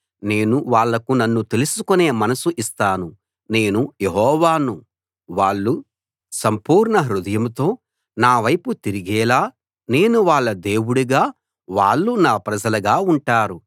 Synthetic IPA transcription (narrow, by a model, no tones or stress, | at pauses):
ne̞ːnuʋaːɭːɐkunɐnːut̪e̞lusukune̞ːmɐnɐsuʔist̪aːnu | ne̞ːnuje̞ɦɔːʋaːnu | ʋaːɭːu | sɐmpuːɾɳɐɦɾud̪ɐjɐmt̪o̞ː | naːʋɐjput̪iɾiɡɛːlaː | ne̞ːnuʋaːɭːɐd̪e̞ːwuɽuɡaː | ʋaːɭːunaːpɾɐd͡ʒɐlɐɡaːuɳʈaːɾu